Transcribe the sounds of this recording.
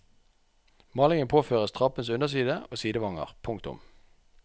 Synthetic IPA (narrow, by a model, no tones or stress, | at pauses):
mɑːlɪŋənpʰoːføːʁəst̪ʰʁɑpənsʉnəʁs̬iːd̪əoːsiːd̪əʋɑŋə̰ʁpʰʊŋkt̪ʊ̰m